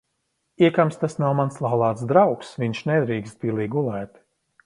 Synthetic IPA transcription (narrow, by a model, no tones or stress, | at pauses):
iɛkamst̪asnawmanslˠawlˠaːt̪sd̪ɾawksviɲʃnɛd̪ɾiːkst̪̚pʲilˠiːɡulˠɛːt̪